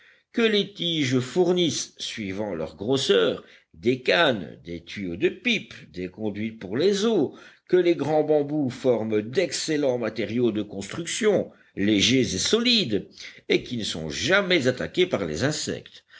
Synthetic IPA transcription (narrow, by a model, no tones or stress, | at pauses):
kəlet̪iʒəfuʁnissɥivɑ̃lœ̰ʁɡʁosœːʁ | d̪ekand̪et̪ɥiod̪əpipd̪ekɔ̃d̪ɥit̪̚puʁlezokəleɡʁɑ̃bɑ̃bufɔʁmd̪ɛkselɑ̃mat̪eʁjod̪əkɔ̃st̪χyksjɔ̃ | leʒezesɔlid̪ekʲinəsɔ̰̃ʒamɛzat̪akʲepaʁlḛzɛ̃sɛ̰kt̪